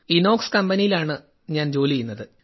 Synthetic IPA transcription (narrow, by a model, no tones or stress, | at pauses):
ino̞ːkskɐmbɐnijilaːɳɨ | ɲaːnd͡ʑo̞ːliɐjunːɐðɨ